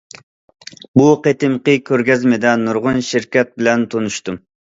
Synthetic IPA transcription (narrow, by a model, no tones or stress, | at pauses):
buqet̪ɪmqəkʲʰøɾɡʲɛzmɪd̪ɛnuɾʁʊnʃiɾkʲɛt̪̚bɪlɛnt̪ʰonuʃt̪um